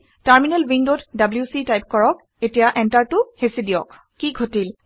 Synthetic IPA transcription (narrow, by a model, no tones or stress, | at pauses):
taɹminɛlwiŋdotdabljusitajp̚kɔɹɔk̚ | etijaʔɛntaɹtʊhesidijɔk̚ | kiɡʱotil